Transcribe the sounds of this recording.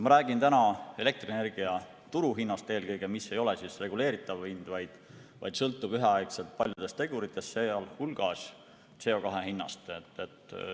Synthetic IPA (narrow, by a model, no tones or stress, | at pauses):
mɑɾæːɡ̥int̪ænɑe̞le̞k̚t̪rene̞rɡ̥iɑ | t̪uɾuɦinːɑst̪e̞ːlkɤjɡ̥e̞misːe̞jo̞lesisre̞ɡule̞ːɾit̪ːˑɑvind̪̥vɑjd̪̥vɑ̰jd̪̥sɤlt̪ːˑub̥yɦeɑjkse̞lt̪̚pɑlʲjud̪est̪e̞ɡ̥uɾit̪ːˑe̞st̪ːseɑlhulɡ̥ɑs | t̪se̞o̞kɑɦe̞ɦinːɑ̰st̪et̪ːˑet̪